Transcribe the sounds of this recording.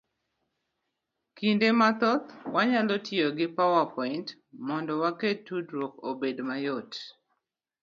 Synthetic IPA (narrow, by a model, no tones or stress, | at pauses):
kindemat̪ɔt̪waɲalɔtjoɡɪpawapɔɪnt | mɔndɔwaketːudɾwokobedmajot